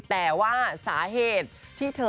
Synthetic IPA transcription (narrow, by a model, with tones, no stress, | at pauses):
t̪ɛː˨˩waː˥˩saː˩˦ɦeː˨˩t̪̚ʰːiː˥˩t̪ʰɤː˧